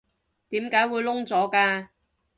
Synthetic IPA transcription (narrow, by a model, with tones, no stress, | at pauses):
t̪iː˨˥mkaː˨˥jwuː˨˧jlʊ˥ŋt͡sɔː˨˥kaː˧